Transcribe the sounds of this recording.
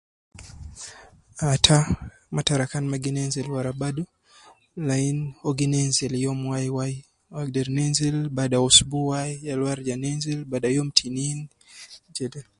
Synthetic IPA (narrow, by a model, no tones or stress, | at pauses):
atʰa | mataɾakanmaɡinɛnzɛlwaɾabadu | lainɔɡinɛnzɛljɔmwajwai | aɡdɛɾnɛnzilbaɗaɔsubuwajjalwaɾd͡ʒanɛnzilbaɗajɔmtʰinin | d͡ʒɛlɛl